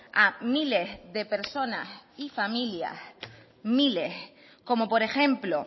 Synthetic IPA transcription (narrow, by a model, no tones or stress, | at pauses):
amile̞zðe̞pe̞ɾso̞nasifamilja̰s | mile̞s | ko̞mo̞po̞ɾe̞xẽ̞mplo̞